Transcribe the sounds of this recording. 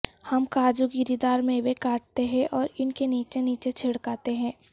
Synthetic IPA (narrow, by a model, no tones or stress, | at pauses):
hɐmkaːd͡ʒuɡɪɾid̪aːɾmẽbekaːʈ̚t̪eɦɛ̃ʔɔːɾɪnkeniːt͡ʃeniːt͡ʃet͡ʃʰeːɽkaːt̪eɦɛ̃ː